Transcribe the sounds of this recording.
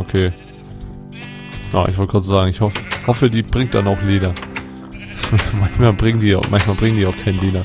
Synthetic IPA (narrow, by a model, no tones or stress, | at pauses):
ʔokʰeː | ja̰ʔɪçv̥ɔltəɡʁaːtz̥aːɡŋ̩ɪçhɔfəhɔfədiːbʁɪŋt̚d̥anaʊxleːdɐ | mançmaːlbʁɪŋdiːa̰ʊxmʔançmaːlbʁɪŋəndiːaʊxkʰaɪnleːdɐ